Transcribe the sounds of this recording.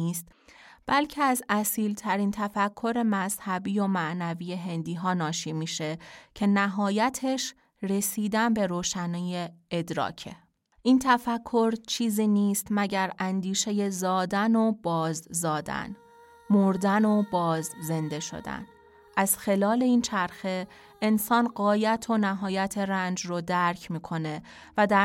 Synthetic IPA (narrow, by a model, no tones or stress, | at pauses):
iːst̪b̥ælcʰeæzæsiːlt̪ʰæɾiːnt̪ʰæfækʰːo̞ɾe̞mæzhæbiːjomæʔnæviːje̞ɦe̞nd̪iːɦɒːnɒːʃiːmiːʃe̞cʰe̞næɦɒːjæt̪ʰe̞ʃ | ɾe̞siːd̪ænbe̞ɾoːʃæniːjeed̪ɾɒ̰ːcʰḛ | ʔiːnt̪ʰæfækʰːo̞ɾt͡ʃʰiːziːniːst̪mæɟæɾænd̪iːʃe̞je̞zɒːd̪ænob̥ɒːzːɒːd̪æ̰n | moɾd̪ænobɒːzze̞nd̪e̞ʃo̰d̪æ̰n | ʔæz̥xe̞lɒːle̞iːnt͡ʃʰæɾxe̞ | ensɒːnɢɒːjæt̪ʰo̞næɦɒːjæt̪ʰe̞ɾænd͡ʒrod̪æɾcʰmiːkʰo̞ne̞ | væd̪æ